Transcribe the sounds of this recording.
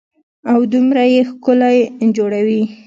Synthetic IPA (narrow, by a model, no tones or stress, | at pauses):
awd̪umɾajexkʊlajed͡ʒoɽawi